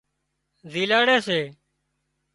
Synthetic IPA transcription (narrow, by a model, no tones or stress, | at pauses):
ziːlaːɽeːseː